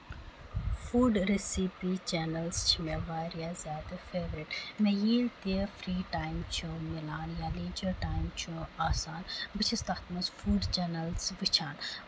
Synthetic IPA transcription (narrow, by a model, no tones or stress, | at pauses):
fuːɖɾesipit͡ʃenɐlst͡ʃʰimẽʋaːɾjazjaːd̪ɐfeːʋɾiʈmejiːlt̪iəfɾiːʈaːjmt͡ʃʰumɪlaːnjaːliːd͡ʒɐɾʈaːjmt͡ʃʰuaːsaːnbɨt͡ʃʰist̪ɐt̪mɐzfuːɖt͡ʃɐːnɐlsʋɨt͡ʃʰaːn